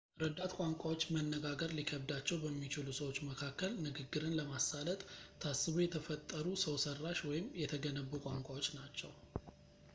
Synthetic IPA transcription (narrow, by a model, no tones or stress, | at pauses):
ɾəd̪at̪kʷʼaŋkʷʼawo̞t͡ʃːmənːəɡaɡəɾlikʰəbd̪at͡ʃːɛwbəmːit͡ʃɪlusəwo̞t͡ʃːməkʰakːəlnɨɡɨɡːɨɾɨnləmasalət̪ʼt̪ʰːasːɨβujɛt̪ʰəfət̪ʼːəɾusəwsərːaʃwɔjɪmjɛt̪ʰəɡənəbːukʷʼaŋkʷʼawot͡ʃːnat͡ʃːɛw